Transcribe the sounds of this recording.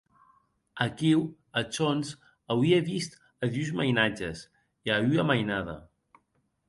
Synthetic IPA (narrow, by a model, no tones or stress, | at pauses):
əkiw | ət͡ʃonz | awieβist̪ | əðyzməjnad͡ʒəs | iayəmajnaðə̰